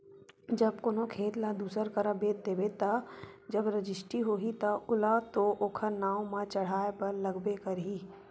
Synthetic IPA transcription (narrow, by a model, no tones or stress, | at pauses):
d͡ʒɐb̚koːnokʰeːt̪lad̪uːsəɾkɐɾəbeːt̪̚d̪eːbet̪ad͡ʒɐbɾəd͡ʒɪsʈiɦoːɦit̪ɐʊlat̪oʔoːkʰəɾnaːwmãt͡ʃɐɽ̤aːepɐɾlɐɡbekɐɾɦiː